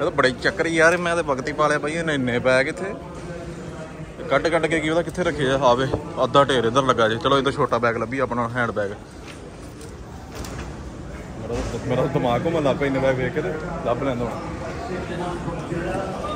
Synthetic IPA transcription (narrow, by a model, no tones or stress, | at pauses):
eːd̪oːbəɽeːt͡ʃəkːəɾiːaːɾeːmɛ̃ːt̪eːpəɡt̪iːpaːleaːbaːĩnɪnːẽːpɛːkɪt̪ʰːeː | t̪ekəʈkəʈkeːkioːd̪aːkɪt̪ʰeːɾəkʰːeːaːaːʋeːəd̪ːaːʈeːɾeːnd̪əɾləɡaːd͡ʒeːt͡ʃəloːed̪õːt͡ʃʰoːʈaːbɛːɡləbiːaːpɳaːɦɛ̃ːɳɖbɛːɡ | mmeːɾaːd̪əmaːkõːmɛ̃ːlapːɛːɪnːeːpɛːɡbeːket̪eːləblɛ̃ːnd̪õː